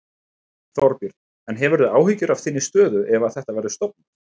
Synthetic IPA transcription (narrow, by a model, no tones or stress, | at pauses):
θɔɾpiɾ | ɛnɦɛvɛɾðʏaːwɦicʏɾav̥θɪnːɪst̪œːðʏʔɛvaθɛht̪avɛɾðʏst̪ɔp̚nḁ